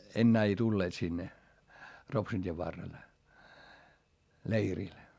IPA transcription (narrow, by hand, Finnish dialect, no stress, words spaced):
enːæː ei tulːeːt sinːe ropsun tʲieʋ ʋɑrːel leiril